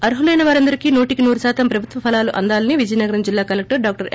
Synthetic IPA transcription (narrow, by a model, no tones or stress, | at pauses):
ɐɾɦulɐjnɐʋaːɾɐnd̪ɐɾikiːnoːʈikinuːɾusaːt̪ɐmpɾɐbʱut̪ʋɐpʰɐlaːluʔɐnd̪aːlɐniʋid͡ʒɐjnɐɡɐɾɐmd͡ʒilːaːkɐlek̚ʈɐɾɖaːk̚ʈɐɾ